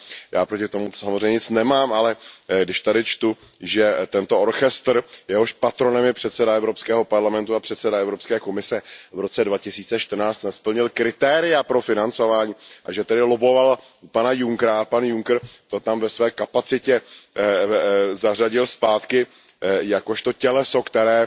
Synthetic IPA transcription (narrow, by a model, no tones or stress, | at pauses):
jaːpɾocɪt̪omu̥samozrɛjɲɛɲɪt͡snɛmaːmʔalɛɡdɪʃt̪adɪt͡ʃt̪u | ʒɛt̪ɛnt̪ooɾxɛst̪rjɛɦo̞ʃpat̪ɾo̞nɛmjɛpr̥ɛt̪sɛdaɛvɾo̞pskɛːɦo̞paɾlamɛnt̪uapr̥ɛt̪sɛdaɛvɾo̞pskɛːko̞mɪsɛvɾo̞t͡sɛdvacɪsiːt͡sɛʃt̪rnaːt͡st̪naspl̩ɲɪlkɾɪt̪ɛːɾɪjapɾo̞fɪnant͡so̞vaːɲiːʔaʒɛt̪ɛdɪlobo̞val | panajuŋkɾapanjuŋkrt̪ot̪amvɛsvɛːkapat͡sɪcɛ | zaraɟɪlspaːt̪kɪ | jako̞ʃt̪o̞cɛlɛso̞kt̪ɛɾɛː